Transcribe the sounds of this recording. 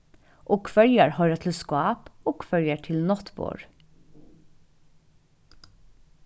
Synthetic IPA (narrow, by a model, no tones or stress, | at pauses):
ʔoːkfœljəɹhœʏɾɑt̪ʰl̩skʊɑːpoːkfœljəʈʰɪlnɔt̪bo̰ːɹ